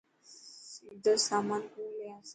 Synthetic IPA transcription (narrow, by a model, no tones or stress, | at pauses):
sid̪ʱəsamankuleas